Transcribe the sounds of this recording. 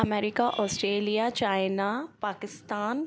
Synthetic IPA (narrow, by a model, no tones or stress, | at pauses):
ɐmɛːɾɪkaʔɔːsʈɾeːlijat͡ʃaːɪnapaːkɪst̪aːn